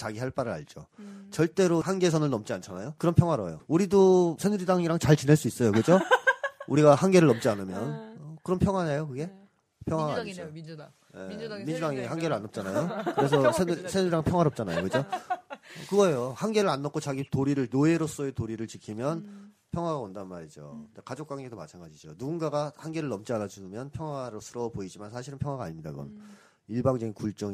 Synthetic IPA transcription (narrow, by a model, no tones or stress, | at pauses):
t͡ɕaɡihaɭp͈aɾɯɭa̰ɭd͡ʑot͡ɕʌɭt͈e̞ɾohanɡe̞s̬ʰʌnɯɭnʌmt͡ɕ͈iant͡ɕʰana̰jokɯɾʌnpʰjʌŋwaɾʌjo̰uɾidosʰenuɾidaŋiɾaŋt͡ɕaɭt͡ɕineɭs͈uis͈ʌjokɯd͡ʑo | uɾiɡahanɡe̞ɾɯɭːnʌmt͡ɕ͈ianɯmjʌnkɯɾʌnpʰjʌŋwaɲajokɯɡe̞ | pʰjʌŋwaɡaaɲd͡ʑo | jemind͡ʑudaŋihanɡe̞ɾɯɭanːʌp̚t͡ɕ͈anajokɯɾe̞sʰʌsʰenɾsʰenuɾaŋpʰjʌŋwaɾʌp̚t͡ɕ͈anajokɯd͡ʑo | kɯɡʌejohanɡe̞ɾɯɾanːʌkʰot͡ɕaɡitoɾiɾɯɭnoeɾos͈oetoɾiɾɯɭt͡ɕikʰimjʌn | pʰjʌŋɦwaɡaondannmaɾid͡ʑo̰ɯndekad͡ʑok̚k͈waŋɡedomat͡ɕʰanɡad͡ʑid͡ʑo̰nuɡunɡaɡahanɡe̞ɾɯɭːʌmt͡ɕ͈ianad͡ʑumjʌnpʰjʌŋwaɾosʰɯɾʌboid͡ʑimansʰaɕ̬ʰiɾɯnpʰjʌŋwaɡaɲimɲida̰kɯɡʌ̰n | iɭbaŋd͡ʑʌɡinkuɭt͡ɕ͈ʌŋ